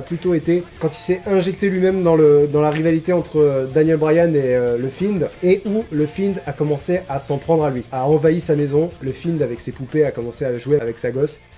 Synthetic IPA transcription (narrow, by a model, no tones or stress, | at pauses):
plyt̪oet̪ekɑ̃t̪ilsɛɛ̃ʒɛk̚t̪elɥimɛmd̪ɑ̃ləd̪ɑ̃laʁivalit̪eɑ̃t̪χəd̪anjɛlbʁajaneøləfind̪eʔuləfind̪akɔmɑ̃seasɑ̃pχɑ̃d̪ʁalɥiaɑ̃vaisamezɔ̃ləfind̪avɛksepupeakɔmɑ̃seaʒweavɛksaɡɔs